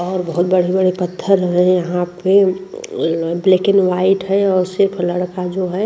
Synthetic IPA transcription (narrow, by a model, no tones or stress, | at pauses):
ɔːɾbəɦut̪̚bəɽ̤ibəɽ̤epət̪ʰːəɾɦɛ̃jəɦãpe | blekɪnʋaɪʈɦɛɔːɾsɪɾpʰləɽkad͡ʒoɦɛ